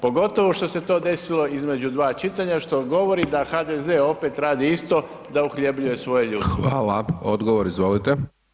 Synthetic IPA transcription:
po̞ɡo̞t̪o̞ʋo̞ʃt̪o̞se̞t̪o̞ːd̪e̞silo̞izme̞d͡ʑud̪ʋaːt͡ʃit̪aɲaʃt̪o̞ɡo̞ʋo̞ɾid̪axad̪eze̞o̞pe̞t̪ɾaːd̪iist̪o̞ | d̪auxʎebʎuje̞sʋo̞je̞ʎuːxʋaːlaod̪ɡoʋoɾizʋolit̪e

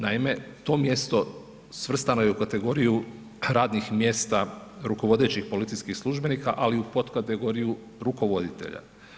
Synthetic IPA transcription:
naime̞ | t̪o̞ːmje̞st̪o̞ | sʋr̩st̪anojeukat̪e̞ɡo̞ɾiju | ɾaːd̪nixmje̞ːst̪aɾuko̞ʋo̞d̪e̞t͡ɕixpo̞lit̪sijskixslˠuʒbe̞niːkaʔaliupo̞t̪kat̪eɡo̞ɾiju | ɾuko̞ʋo̞d̪it̪e̞̰ʎa̰

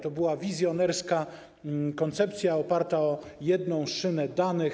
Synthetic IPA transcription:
t̪ɔbɘwavʲizʲjɔnɛɾska | kɔnt̪sɛp̚t̪sʲjaɔpaɾt̪aɔjɛd̪nɔ̃w̃ʂɘnɛd̪anɘx

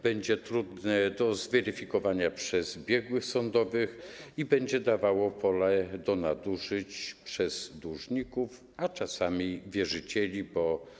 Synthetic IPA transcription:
b̥ɛɲd͡ʑɛt̪ɾud̪nɛd̪ɔzvɛɾɘfʲikɔvaɲapʂɛzbʲjɛɡwɘxsɔnd̪ɔvɘxibɛɲd͡ʑɛd̪avawɔpʰɔlɛd̪ɔnad̪uʂɘt͡ɕpʂɛzd̪uʐɲikuf | at͡ʂasamʲivʲjɛʐɘt͡ɕɛlʲibɔ

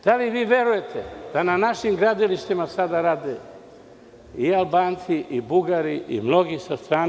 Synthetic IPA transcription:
d̪̥aliʋiːʋje̞ɾuje̞t̪ʰed̪̥ananaʃimɡɾad̪iliʃt̪imasad̪aɾaːd̪e | ialbaːnt̪siʔibuɡaɾiʔḭmno̞ɡisast̪ɾaː

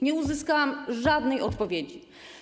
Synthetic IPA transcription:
ɲɛuzɘskawamʐad̪nɛjɔt̪pɔvʲjed͡ʑi

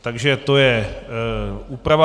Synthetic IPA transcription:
t̪aɡʒɛt̪ojɛ | uːpɾava

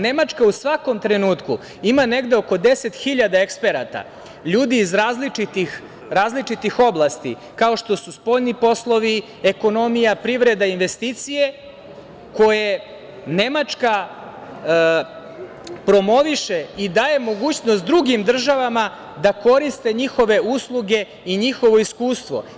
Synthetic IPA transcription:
ne̞mat͡ʂkausʋako̞mt̪ɾe̞nuːt̪ku | imane̞ɡd̪e̞o̞ko̞d̪e̞set̪xiʎad̪aekspe̞ɾat̪a̰ | ʎuːd̪iːzɾaːzlit͡ʃit̪ix | ɾaːzlit͡ʂit̪ixo̞blˠast̪ḭ | kao̞ʂt̪o̞suspo̞ʎnipo̞slˠo̞ʋi | eko̞no̞mijapɾiʋɾe̞d̪ainʋe̞st̪iːt̪sije̞ | ko̞je̞ | ne̞mat͡ʂka | pɾo̞mo̞ʋiʃe̞id̪aːje̞mo̞ɡuːt͡ɕnost̪d̪ɾuɡimd̪r̩ʒaʋama | d̪ako̞ɾist̪e̞ɲixo̞ʋe̞uslˠuɡe̞ | iɲixo̞ʋo̞iskuːst̪ʋo̞̰

